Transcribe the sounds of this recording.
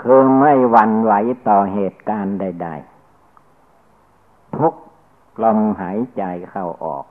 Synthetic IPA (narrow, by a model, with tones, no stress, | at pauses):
kʰɯː˧ma˥˩jwa˧˦nwa˨˩˦jt̪ɔː˨˩ɦeː˨˩t̪̚kaː˧nda˥˩jda̰˥˩j | t̪ʰu˦˥k̚ | lɔ˧mhaː˩˦jt͡ɕa˨˧jkʰa˧˩wʔɔ̰ː˨˩k̚